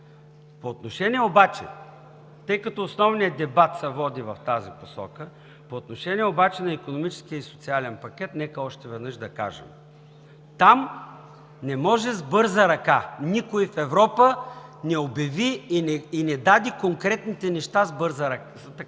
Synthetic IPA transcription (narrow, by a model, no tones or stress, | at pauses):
poːt̪noʃɛnʲiɛobat͡ʃɛ̰ | t̪ɤjkɐt̪ɔːsnɔvnijəd̪ɛbat̪sɛvɔd̪ivɐft̪aziposɔ̰kə | poːt̪noʃɛniɛobat͡ʃɛnɐikonomit͡ʃɛ̥skijəisʊ̥t̪sialɛnpɐkʲɛt̪nɛkəɔʃt̪ɛvɛd̪nɤʃd̪ɐka̰ʒɛ̰m | t̪am | nɛmɔʒɛzbɤɾzəɾɐkanikoifɛvɾɔpənɛobʲjɐvinɛːnɛd̪ad̪ikoŋkɾɛt̪nit̪ɛnɛʃt̪azbɤɾzəɾɐk | t̪